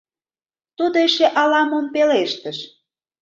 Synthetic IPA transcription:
t̪ud̪oeʃeʔɑlɑmonpeleʃt̪ə̆ʃ

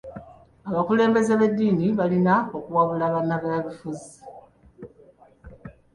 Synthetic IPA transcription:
aβakule̞ːmbe̞zeβedːiːniβalinaokuwaβulaːβanːaβaaβifuzi

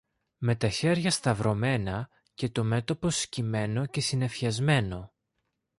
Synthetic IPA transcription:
me̞t̪ɐçe̞ɾʝɐst̪ɐvɾo̞me̞nɐ | ce̞t̪o̞me̞t̪o̞po̞scime̞no̞ce̞sine̞fçɐzme̞no̞

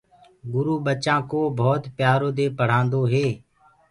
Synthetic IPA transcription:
ɡʊɾuːɓət͡ʃãːkoːbʱɔːt̪pjaːɾoːd̪eːpəɽ̤ãːnd̪oːɦeː

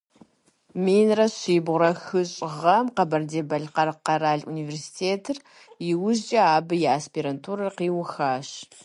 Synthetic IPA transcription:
miːnrɐɕiːbʁʷʊɾɐxɨɕʼɪʁɐmqɐbɐrdeːbɐɮqɐrqɐɾaːɮuniversi̥tʰeːtʰɨr | jɪwʊʑd͡ʒʼɐaːbɨjɛaspʰiːɾɐntʰuɾɐrqiːwʊxaːɕ

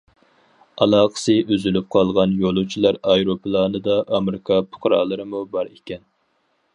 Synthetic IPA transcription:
ɑlˠɑːqʰə̥sɨʔyzylyp̚qʰɑlˠʁɑnjolˠut͡ʃʰilˠɑɾɑjɾopʰlˠɑːnɨd̪ɑʔɑmɾɪkʰɑpʰʊ̥qɾɑ̰ːlˠɨɾɨmubɑɾekʲɛn

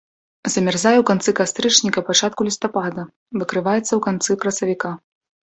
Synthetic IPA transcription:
zɐmʲɛrzajɛwkant̪sɨkast̪ɾɨt͡ʂnʲikɐpat͡ʂat̪̚kulʲist̪apad̪ɐ | vɨkɾɨvajɛt̪sːɐwkant̪sɨkɾɐsɐvʲika

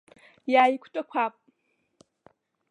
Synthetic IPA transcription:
jaːjikʷʰtʼakʷʰaːpʼ

